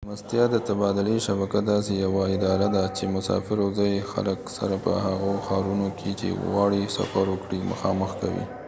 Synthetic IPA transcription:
mast̪jɑd̪ət̪abɑd̪ɪleʃabakad̪ɑsejawaɪd̪ɑɾad̪at͡ʃemʊsɑ̰fɪɾazɑjexa̰ləksa̰ɾapə̰haɣoxɑɾunokʰet͡ʃḛɣɑɽisa̰faɾwəkɽimə̰xɑməxka̰wḭ

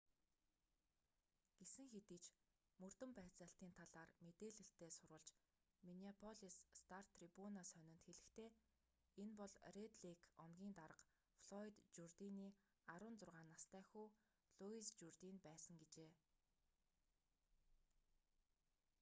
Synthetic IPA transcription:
ɡ̥esɘ̆ŋxet̪iːt͡ɕ | mɵr̥t̪ɵ̆mpæːt͡săːɬt̪iːnt̪ʰaɮaːrmet̪eːɮɵ̆ɬt̪eːsʊɾʊ̆ːɮt͡ɕ | miniapʰɔɮisːt̪ʰar̥t̪ʰːripunasœnʲɪ̆nt̪xeɮɘ̆xt̪ʰeː | enpɔɮret̪ɮikʰɔmɡʲiːnt̪aɾə̆q | fɮɔit̪t͡ɕurt̪iniː | aɾʊːnt͡sʊrʁaːnːast̪æːxuː | ɮuist͡ɕurt̪inpæːsə̆ŋɡet͡ɕeː

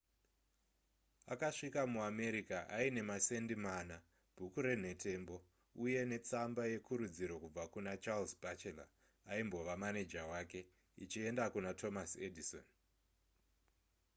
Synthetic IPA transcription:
akaʂikamuame̞ɾikaʔaine̞mase̞ndimana | b̥ʱukuɾe̞n̤e̞te̞mbo̞ | uje̞ne̞t͡sambaje̞kʰuɾud͡ziɾo̞kub͡vakunat͡ʃalzbʱat͡ʃela̰ | aimbo̞ʋamane̞d͡ʒawake̞ | ḭt͡ʃie̞ndakunatʰo̞masedʱiso̰n

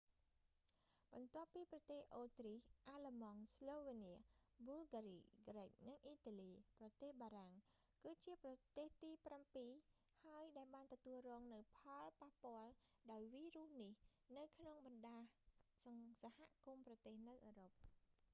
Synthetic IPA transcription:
ɓɑnt̪ŏəpːiːprɑt̪eːhʔoːt̪rihʔaləmɑŋsloːʋeniəmulɡaɾiːɡrek̚nɨŋʔiːt̪aːliːprɑt̪eːhɓaːɾaŋ | kɨːt͡ɕiəprɑt̪eːht̪iːprampiː | haəjɗaɛlɓaːnt̪ɔt̪uəlrɔːŋnɨwpʰɑlpahpŏəlɗaɔjʋiːruəhnihnɨwkʰnoŋɓɑnɗaː | sahaʔkumprɑt̪eːhnɨwʔəːɾop̚

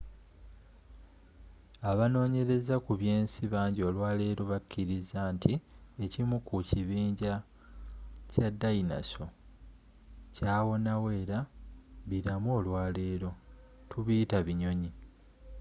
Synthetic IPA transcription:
aβano̞ːɲe̞ɾe̞zakuβje̞ːnsiβaːɲɟio̞ːlwaːle̞ːɾo̞βacːiɾizaːntiecimukuciβiːɲɟa | cadːaina̰so̞ | caːwo̞nawe̞ːɾaβiɾamo̞ːlwaːle̞ːɾo̞ | tʰuβitaβiɲo̞ɲi

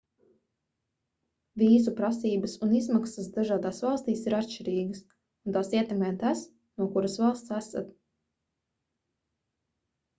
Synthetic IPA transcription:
viːs̬upɾasiːbɐsunizmaksɐs̬d̪aʒaːd̪aːsvɑlˠst̪iːsiɾat̪ʃt͡ʃiɾiːɡəs | unt̪aːsiɛt̪ɛmɛjt̪as | nuɔkuɾasvɑlˠst̪sasa̰t̪

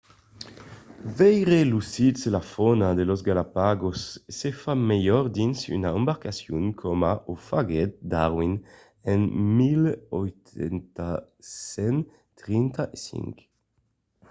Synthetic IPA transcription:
vɛjʁelusitselafɔnad̪elozɡalapaɡosːefamejɔɾd̪insy̰naembaɾkasjuŋkʰomaʔofaɡɛt̪̚d̪aʁwin | ɛnmilojt̪ɛnt̪a | sɛn | t̪ʁint̪aʔesḭŋk

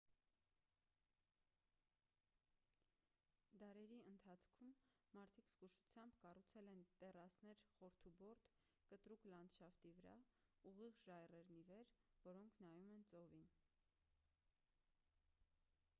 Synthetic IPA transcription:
d̪ɑɾɛɾiənt̪ʰɑt͡sʰkʰumːɑɾt̪ʰikskuʃu̥t͡sʰjɑmbkɑrut͡sʰɛlɛnt̪ɛrɑsnɛɾχɔɾt̪ʰubɔɾt̪ | kət̪ɾuklɑnt͡sʃɑft̪ivəɾɑ̰uʁiʁʒɑjrɛɾnivɛɾvɔɾɔŋkʰnɑjumɛnt͡sɔvin

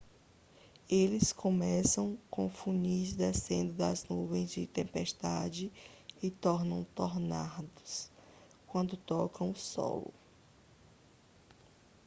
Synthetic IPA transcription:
elɪskʰõmɛsɐ̃w̃kõfũɲizd̪esẽnd̪ʊd̪ɐznuvẽj̃zd͡ʒɪt̪ẽmpɛʃt̪ad͡ʒɪɪt̪ɔɾnɐ̃w̃t̪ɔɾnad̪ʊ̥s | kwɐ̃nd̪ʊt̪ɔkɐ̃w̃ʊsɔ̰lʊ̰

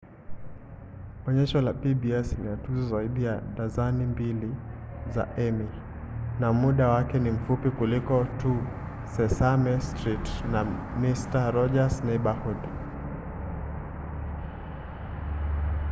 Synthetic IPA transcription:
ɔɲɛʃɔlapibiɛsniatuzɔzaiɗijaɗazanimbiliza̰ʔɛmi | namuɗawakɛnim̩fupikulikɔtu | sɛsamɛstɾitnamistaɾɔd͡ʒasnɛɓahud

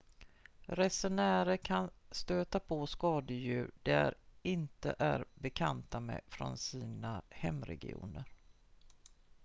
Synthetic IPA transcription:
ɾɛsɛnæːɾəkʰanst̪øːt̪apʰoskɑːd̪əjʉ̟ːɖæɾɪnt̪ə̰ʔæɾbɛkʰant̪amɛ̰fɾɔ̰nsiːnahɛmːɾɛ̰ɡɪ̰ṵːnəɾ

